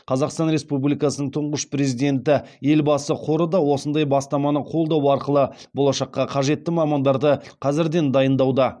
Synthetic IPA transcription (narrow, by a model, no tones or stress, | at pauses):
qʰɑzɑqst̪ɑnɾe̞spublijkɑsənəɴt̪ʰʊɴʁəʃpre̞zid̪e̞nt̪ɪje̞lbɑsəqʰo̞ɾəd̪ɑwo̞sənd̪ɑjbɑst̪ɑmɑnəqʰo̞lˠd̪ɑwɑɾqəlˠəbo̞lˠɑʃɑqːɑqʰɑʒe̞t̪ːɪmɑmɑnd̪ɑɾd̪əqʰɑzɪɾd̪e̞nd̪ɑjənd̪ɑwd̪ɑ